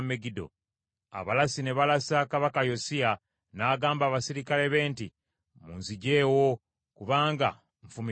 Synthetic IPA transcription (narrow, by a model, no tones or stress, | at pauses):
meɡido̞̰ | a̰βalasine̞βalasakaβakajo̞sia | naːɡaːmbaːβasiɾikale̞βe̞ːnti | mṵːnziɟe̞ːwo̞ | kuβaːŋɡa̰ | ɱfumi